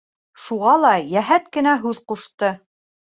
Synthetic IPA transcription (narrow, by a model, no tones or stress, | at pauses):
ʃuʁɑlˠɑjæɦæt̪kɘ̆næɦʉðquʃt̪ɤ